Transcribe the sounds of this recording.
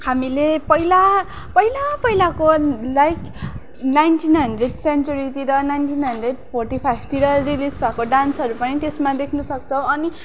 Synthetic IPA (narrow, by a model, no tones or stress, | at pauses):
hamilepʌila | pʌilapʌɦjlakolajk | najnʈinɦʌɳɖreɖsent͡ʃuɾit̪iɾʌnajnʈinɦʌɳnɖreɖpʰorʈipʰajb̚ʱt̪iɾʌrilisbʱakoɖansɦʌɾupʌnit̪esmad̪ekʰnusʌk̚t͡sʰʌw̃ʌni